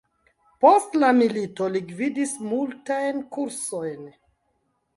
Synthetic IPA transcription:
po̞stlamilito̞liɡvidismultajnkuɾso̞jn

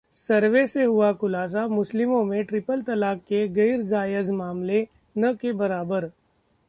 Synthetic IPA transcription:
sɐɾʋeseɦʊakʊlaːs̬amʊslɪmõmẽʈɾɪpəlt̪ɐlaːkːeɣɐɪɾd͡ʒaːjəzmaːmle | nɐkebɐɾaːbəɾ

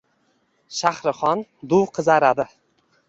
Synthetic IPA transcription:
ʃahɾɪχɒnd̪ʊwqʰɨzaɾad̪ɪ

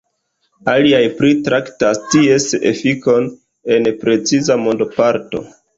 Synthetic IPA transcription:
aliajpɾitɾaktastie̞sḛfiko̞n | e̞npɾe̞t͡sizamo̞ndopaɾto̞̰

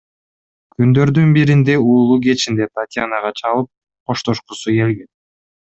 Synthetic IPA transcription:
kynd̪ø̞ɾd̪ynbiɾind̪e̞uːlˠuɡe̞t͡ʃind̪e̞p̪at̪ʲjanaʁɑt͡ʃʰɑlˠɯp̚ | qʰo̞ʃt̪o̞ʃqusuke̞lɡen

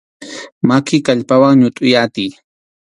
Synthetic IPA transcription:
makɪkaʎpawaŋɲʊt̪ʼʊjat̪ɪj

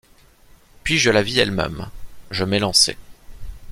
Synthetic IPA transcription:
pɥiʒəlaviɛlmɛ̰mʒəmelɑ̃sɛ̰

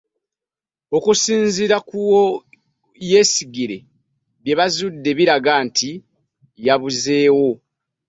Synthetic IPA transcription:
o̞kusiːnziɾakuwo | je̞ːsiɡiɾe̞ | βje̞βazudːe̞βiɾaɡaːntʰi | jaβuze̞ːwo̞

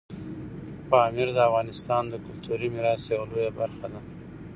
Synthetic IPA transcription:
pɑmɪɾd̪əafɣɑnɪst̪ɑnd̪əkʊlt̪uɾimɪɾɑsjawalojabaɾxad̪a

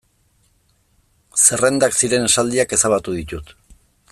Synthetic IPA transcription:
se̞re̞nd̪aksiɾe̞nesald̪iake̞saβat̪uðit̪ut̪

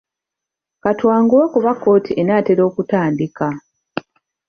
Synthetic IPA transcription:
katwaːŋɡuakuβakːo̞ːtʰiʔe̞naːte̞ɾo̞ːkutaːndika

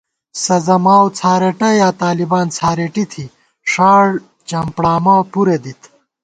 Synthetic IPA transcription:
sɐzɐmaːwt͡sʰaːɾeʈɐjaːt̪aːlibaːnt͡sʰaːɾeʈit̪ʰi | ʂaːɽ | t͡ɕɐmpɽaːmaːwpuɾed̪it̪

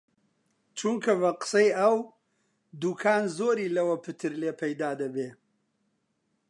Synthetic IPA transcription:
t͡ʃʰuŋkʰɐvɐqɨ̥sɐjɐw | d̪uːkʰaːnzoːɾiːlɐwɐpʰɨt̪ʰɨɾleːpʰɐjd̪aːd̪ɐbeː

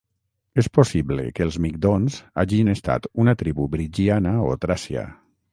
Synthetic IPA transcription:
esposiβlə̰kəlˠzmik̚d̪onza̰ʒinest̪a̰t̪unat̪ɾiβubɾid͡ʒianəo̰t̪ɾasia̰

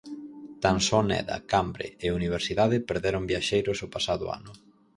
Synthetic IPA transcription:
t̪ansɔnɛ̰ðɐ̰kambɾḛːuniβ̞eɾsiðaðɪpeɾðeɾʊmbjaʃejɾʊsʊpasaðʊ̰a̰nʊ

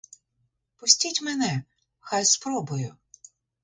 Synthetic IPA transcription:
pʊsʲtʲitʲmenɛ | xajspɾɔbʊjʊ

